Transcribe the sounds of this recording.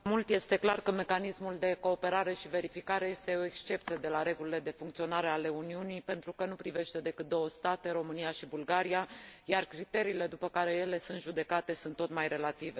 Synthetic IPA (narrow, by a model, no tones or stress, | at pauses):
mult̪je̞st̪e̞klarkəme̞kanismuld̪e̞ko̞ːpe̞ɾaɾe̞ʃive̞ɾifikaɾe̞je̞st̪e̞o̞ekst͡ʃe̞p̚t̪sijed̪e̞laɾe̞ɡulile̞d̪e̞fuŋkt̪sio̞naɾe̞ale̞uniunipe̞nt̪ɾukənupɾive̞ʃt̪e̞d̪e̞kɨt̪̚d̪o̞wəst̪at̪e̞ɾo̞mɨnijaʃibulɡaɾiajarkɾit̪e̞ɾiːle̞d̪upəkaɾe̞je̞le̞sunt̪ʒud̪e̞kat̪e̞sunt̪ːo̞t̪majre̞lat̪ive̞